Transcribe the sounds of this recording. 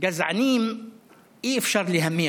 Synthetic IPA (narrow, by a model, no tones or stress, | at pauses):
ɡæzʕniːm | ʔiːfʃɑɾˤliɦæmːijː